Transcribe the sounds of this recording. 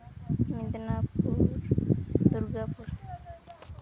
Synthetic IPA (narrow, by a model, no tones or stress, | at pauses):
mid̪napuɾd̪uɾɡapuɾ